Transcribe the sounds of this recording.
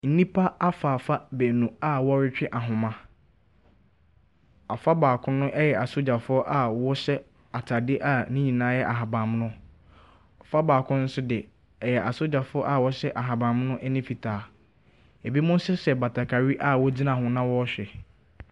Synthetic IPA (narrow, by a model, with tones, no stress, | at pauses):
n̩˦nĩ˦pʰa˦a˦fa˨fa˦bæ˨nũ˨a˦˨wɔ˦ɾɪ˦t͡ɕᶣɪ˦ʔa˨ɦʊ̃˨mã˦ | a˨fa˦baː˨kʰʊ̃˦nʊ̃˦ʔɛ˦jɛ˨a˨so˦d͡ʑa˨fʊ˦ɔ˦ʔa˨wɔ˦ɕɛ˦ | a˨tʰa˨dɪ˦ʔa˨nĩ˦ɲĩ˨nãː˦jɛ˦ʔa˨ɦa˨bã˨m˦nʊ̃˦ | ɔ˨fa˦baː˨kʰʊ̃˦n̩˦sʊ˦dɪ˨ | ɛ˨jɛ˨ʔa˨so˦d͡ʑa˨fʊ˦ɔ˦ʔa˦˨wɔ˦ɕɛ˦ʔa˨ɦa˨bã˨m˦nʊ̃˦ʔɛ˦nĩ˦fi˨tʰaː˨˦ | e˨bi˦mʊ̃˦n˦sʊ˦sɛ˨ba˨tʰa˨kʰa˨ɾi˦ʔa˦wɔ˦d͡zi˦nã˨ɦʊ̃˨nã˦wɔ˦ɕᶣɛ˨